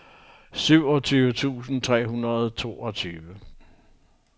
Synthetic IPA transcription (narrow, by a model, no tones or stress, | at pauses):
syʊ̰ɒ̽t͡sʰyːʋət͡sʰṵːsn̩t͡sʰʁɛ̰ːɦunɐð̞̩ˠt͡sʰo̝̰ːɒ̽t͡sʰyːʋə